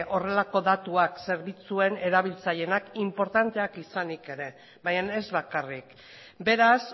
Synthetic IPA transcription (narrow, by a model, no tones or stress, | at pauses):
ʔo̞re̞lako̞ðat̪uakse̞ɾβit͡sue̞ne̞ɾaβ̞ilt͡saʎe̞nakimpo̞ɾt̪ant̪e̞akisanike̞ɾe̞ | bajane̞zβakarik | be̞ɾas